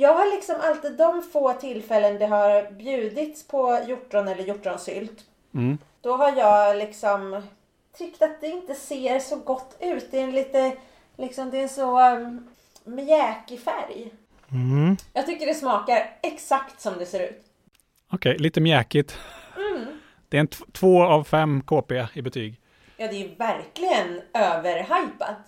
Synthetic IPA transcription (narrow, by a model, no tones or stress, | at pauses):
jɑːɡɦaɾɭɪksɔmalt̪iːd̪ːɔmfoːt̪ʰɪlːfɛlːənd̪ɛɦaɾbjʉ̟ːd̪ɪt̪spʰɔjʊʈːɾɔnɛlːəɾjʊʈːɾɔnsʏ̰lt̪ː | d̪̥ɔɦaɾjɑːɡlɪksɔm | t̪ʰɾʏkt̪at̪̚d̪ɛɪnt̪əseːɾsɔɡɔt̪ːʉ̟ːt̪̚d̪ɛɛnliːt̪ə | lɪksɔmd̪ɛɛsɔ | mɪɛːkɪfæ̰ɾj̩ | jɑːɡt̪ʏkːəɖɛsmɑːkaɾɛksakt̪sɔmd̪ɛseːɾʉ̟̰ːt̪ | ɔkʰɛjliːt̪əmjɛːkɪt̪̩ | d̪̥ɛɛt̪t̪ʰvoːavfɛmːkʰoːpeːɪbɛt̪ʰyːɡ | jɑːd̪ɛʉvæɾklɪɡənøːvəɾɦajpa̰t̪